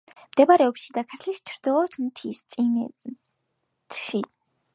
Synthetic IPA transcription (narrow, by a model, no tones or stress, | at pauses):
md̪̥ɛbaɾɛɔpʃid̪akʰaɾt̪ʰlist͡ʃʰɾd̪̥ilˠɔt̪ʰmt̪ʰisʼin | ʃi